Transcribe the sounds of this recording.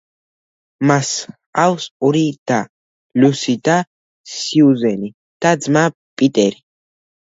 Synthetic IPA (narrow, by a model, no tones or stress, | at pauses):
mas | awsɔɾid̪̥a | lusid̪a | siuzɛni | d̪̥ad̪zma | pʼit̪ʼɛɾi